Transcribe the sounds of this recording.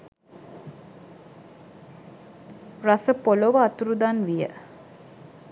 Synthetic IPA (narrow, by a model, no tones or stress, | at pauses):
rasəpoloʋəat̪uɾud̪anʋijə̰